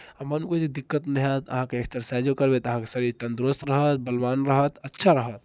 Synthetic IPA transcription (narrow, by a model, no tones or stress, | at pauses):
amənuked͡ʒed̪ikːət̪nəɦət̪ə̰ɦãkeekst̪əɾsad͡ʒokəɾbet̪əɦãkesəɾit̪ə̃nd̪ɾost̪ɾəɦət̪̚bəlbanɾəɦət̪ətːʃʰaɾəɦət̪̚